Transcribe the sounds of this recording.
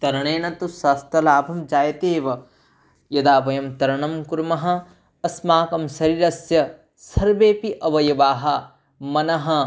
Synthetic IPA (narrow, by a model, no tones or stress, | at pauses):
t̪ɐɾɐɳeːnɐt̪usɐst̪ɐlaːbʱɐmd͡ʒaːjɐt̪eːʋɐ | jɐd̪aːpɐjɐmt̪ɐɾɐɳɐmkuɾmɐɦɐ̆ | ɐsmaːkɐmsɐɾiɾɐsjɐ | sɐɾʋeːpiʔɐʋɐjɐʋaːɦɐ | mɐnɐɦɐ̆